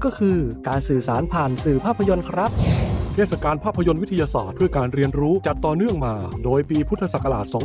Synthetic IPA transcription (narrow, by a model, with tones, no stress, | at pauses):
kɔː˥˩kʰɯː˧kaː˧nsɯː˨˩saː˩˦npʰaː˨˩nsɯː˨˩pʰaː˥˩pʰːa˧jo˧nkʰɾa˦˥p̚tʰeː˥˩sa˨˩kaː˧npʰaː˥˩pʰːa˧jo˧nwi˦˥t̪ʰa˧jaː˧sa̰ː˨˩t̪̚t͡ɕʰu˥˩əjkaː˧nɾi˧ənɾuː˦˥t͡ɕa˨˩t̪ːɔː˨˩nɯ˥˩əŋmaː˧doː˧jpiː˧pʰu˦˥t̪ʰːa˧sa˨˩kːa˧laː˨˩t̪̚sɔː˩˦